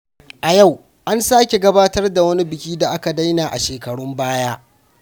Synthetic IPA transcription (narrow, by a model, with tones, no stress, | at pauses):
ʔa˨ja˦˨w | ʔa˦nsaː˦kʲe˨ɡɐ˦baː˦tɐ˦rda˨wɐ˦ni˦bɪ˨kʲiː˦da˨ʔa˦ka˨da˦jnaː˨ʔa̰˨ʃeː˨kɐ˨ɽʊ˦mbaː˦jaː˦